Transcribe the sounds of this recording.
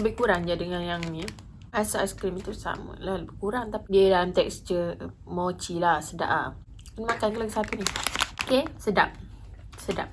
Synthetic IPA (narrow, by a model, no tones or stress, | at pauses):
ləbɪhkuɾaŋd͡ʒadəŋãnjaŋni | asaʔasə̥kɾimt̪usa̰mə̰lahləbɪhkuɾaŋt̪apidiədalamt̪ɛksd͡ʒə | mot͡ʃilahsəda̰ʔa | kunmãkankələɡəsat̪uniokesədap̚ | səda̰p̚